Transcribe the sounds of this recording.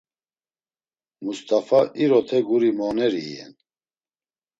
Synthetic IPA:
must̪ʼafaʔiɾɔt̪ʰɛɡuɾimɔnɛɾiːjɛ̰n

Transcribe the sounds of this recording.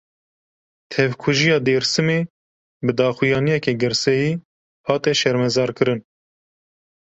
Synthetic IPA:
t̪ʰɛvkʰuʒijɑːd̪eːɾsɨmeː | bɨd̪ɑːxujɑːnijɛkeɡɨɾsɛjiː | hɑːt̪ɛʃɛɾmɛzɑːɾkɨɾɨn

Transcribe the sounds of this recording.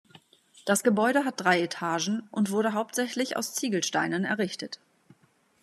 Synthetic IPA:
d̥asɡ̥əbɔʏɾəɦat̚d̥ʁaɪetʰaːʒn̩ʔʊntv̥ʊɐdəɦaʊp̚tz̥ɛçlɪça̰ʊst͡siːɡl̩ʃtaɪnənɛ̰ɐʁɪçtət

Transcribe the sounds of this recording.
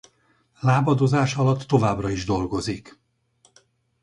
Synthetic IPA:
laːbɒd̪ozaːʃɒlɒt̪ːo̞vaːbrɒiʒd̪o̞lɡo̞zik

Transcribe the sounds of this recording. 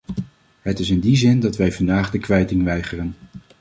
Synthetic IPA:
ɦətɪsɪndizɪndɑtʋɛjvɑndaːχdəkʋɛjtɪŋʋɛjχərən

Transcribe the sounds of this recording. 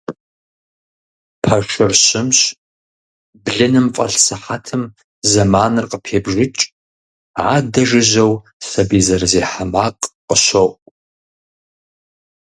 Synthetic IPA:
pʰɐʂʷɨrɕɪmɕ | bɮɨnɨmfʼɐ̰ɬsɨħatʰɨm | zɐmaːnɨrqəpʰeːbʒɪt͡ʃʼ | ʕaːdɐʒɨʑɐw | sɐbiːzɐrzeːħamaːqʼqʼəɕɐʔʼʷ

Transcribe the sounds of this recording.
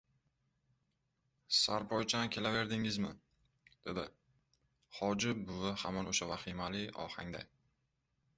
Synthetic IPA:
saɾpʰɒjt͡ʃʰankʲʰe̞lave̞ɾd̪ɪŋɪzmɪ | d̪̥e̞d̪ɪ | hɒd͡ʒɪbʊvaha̰mɒnoʃavaχimalɪɒ̰ha̰ŋd̪a̰j

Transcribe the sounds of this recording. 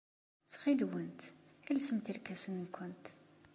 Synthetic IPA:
t͡sːχid̪wənt̪ilsəmt̪iɾkæsənnkʷːʊnt̪

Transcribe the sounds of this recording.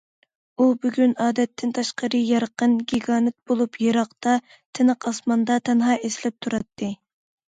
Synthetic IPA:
ubyɡʲynɑːd̪ɛt̪ʰːɪnt̪ʰɑʃqəɾɨjɑɾqənɡʲiɡɑːnɨt̪̚b̥olˠupʰjeɾɑqt̪ɑ | t̪ʰɪnəqɑsmɑnd̪ɑt̪ʰɛnɦɑːʔesɪlɛp̚t̪ʰuɾɑt̪ʰːɨ

